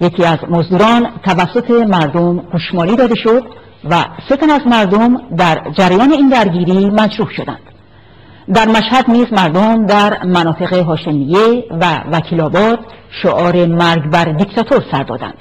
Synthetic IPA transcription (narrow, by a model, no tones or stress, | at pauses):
jecʰiːæzmozd̪uːɾɒːnt̪ʰævæsːo̞t̪ʰe̞mæɾd̪omɡ̥uʃmɒːliːd̪ɒːd̪e̞ʃo̞d̪ | væse̞t̪ʰænæzmæɾd̪omd̪æɾd͡ʒæɾæjɒːne̞iːnd̪æɾɟiːɾiːmæd͡ʒɾuːhʃo̞d̪æ̰nd̪̥ | d̪æɾmæʃhæd̪niːzmæɾd̪omd̪æɾmænɒːt̪ʰe̞ɣeɦɒːʃemije̞vævækʰiːlɒːbɒːd̪̥ | ʃoʔɒːɾe̞mæɾɡbæɾd̪ikʰt̪ʰɒt̪ʰo̞ɾsæɾd̪ɒ̰ːd̪æ̰nd̪̥